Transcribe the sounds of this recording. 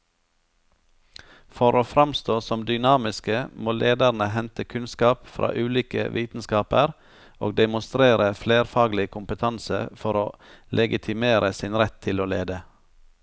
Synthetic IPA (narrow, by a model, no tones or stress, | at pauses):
fɔɾoːfɾɑmst̪oːsɔmd̪ʏnɑːmɪskəmoːlʔeːd̪æɾɳəɦɛnt̪əkʰʉnskɑːpfɾʔɑ̰ːʔʉːliːkə̰ʋʔiːt̪n̩skɑːpəɾ | ʔo̰ːɡ̚d̪ɛmʊnst̪ɾeːɾəfleːɾfɑːɡlɪkʰʊmpət̪ʰɑnsə̰fɔɾoːlʔɛɡɪt̪ʰɪmeːɾʔəsɪnɾɛt̪ʰɪloːlḛːd̪ə